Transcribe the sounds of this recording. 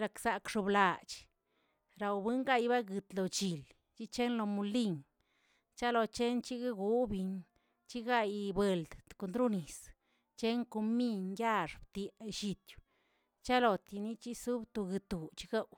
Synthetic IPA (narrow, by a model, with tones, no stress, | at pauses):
ɾa˧ksa˨kʂu˧bla˨t͡ʃ | ɾa˧˨wbɨ˦ŋɡa˦˧jba˦ɡɨ˧t̪lo˨t͡ʃi˨l | t͡ʃi˦t͡ʃe˦nlo˧mu˧li˦˧˨ŋ | t͡ʃa˦lo˧t͡ʃe˦nt͡ʃi˦ɡa˦ɡu˧˦bi˧ɲ | t͡ʃi˦ɡa˧jbe˨ld̪ko˧˨nd̪ɾu˦ni˨s | t͡ʃe˦ŋko˧mi˦ɲja˦˧ʂbt̪jʃi˧t̪ju̥˨ | t͡ʃa˦lo˨t̪i˧ni˦t͡ʃi˦su˦bt̪o˧ɡɨ˧t̪u˨t͡ʃi˧ɡa˦w